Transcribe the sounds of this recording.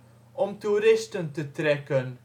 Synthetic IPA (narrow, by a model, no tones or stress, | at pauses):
ɔmtuɾɪstəntətrɛkən